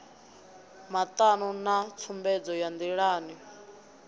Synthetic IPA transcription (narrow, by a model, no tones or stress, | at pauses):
mat̪ʼanunat͡sʰumbɛd͡zɔjand̪iɺaːni